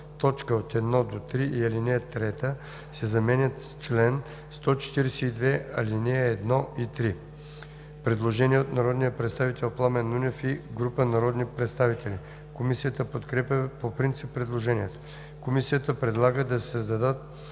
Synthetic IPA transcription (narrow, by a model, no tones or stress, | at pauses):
t̪ɔt͡ʃkəot̪ɛd̪nɔd̪ot̪ɾiʔiɐlinɛət̪ɾɛt̪ə | sɛzɐmɛnʲət̪st͡ʃlɛn | st̪ɔt͡ʃɛ̥t̪iɾɛsɛid̪vɛɐlinɛəɛd̪nɔʔit̪ɾi | pɾɛd̪lˠoʒɛniɛot̪nɐɾɔd̪nijəpɾɛt̪st̪avit̪ɛlˠplˠamɛnunʲɛfiɡɾupənɐɾɔd̪nipɾɛt̪st̪avit̪ɛlʲi | komisijət̪əpot̪kɾɛpʲjəpopɾint̪sipːɾɛd̪lˠoʒɛniɛt̪o̥ | komisijət̪əpɾɛd̪lˠaɡəd̪ɐsɛzd̪ɐd̪ət̪